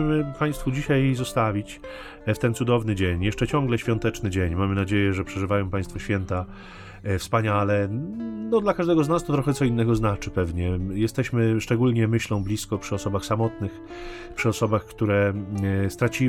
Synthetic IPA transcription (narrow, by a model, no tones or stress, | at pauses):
mɘpaj̃st̪fud͡ʑiɕajzɔst̪avʲit͡ɕ | ft̪ɛnt̪sud̪ɔvnɘd͡ʑeɲjɛʂt͡ʂɛt͡ɕɔ̃ŋɡlɛɕfʲjɔ̃nt̪ɛt͡ʂnɘd͡ʑeɲmamɘnad͡ʑejɛʐɛpʂɛʐɘvajɔ̃w̃pãj̃st̪fɔɕfʲjɛnt̪a | fspaɲalɛnɔd̪lakaʐd̪ɛɡɔznast̪ɔt̪ɾɔxɛt̪sɔinːɛɡɔznat͡ʂɘpɛvɲɛjɛst̪ɛɕmɘʂt͡ʂɛɡulɲɛmɘɕlɔ̃w̃blʲiskɔpʂɘɔsɔbaxsamɔt̪nɘx | pʂɘɔsɔbaxkt̪uɾɛst̪ɾat͡ɕi